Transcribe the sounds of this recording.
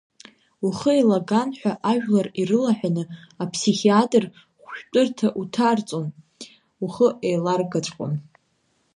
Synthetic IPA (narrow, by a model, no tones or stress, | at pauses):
uχəelaɡanħʷᶣaʔaʒᶣlarirɨlaħʷᶣanɨapʰsiχiatʼr | χʷʃᶣt͡pʼɨrtʰaʔutʰart͡sʼon | uχəʔejlarɡat͡ʃʷʼqʷʼo̰n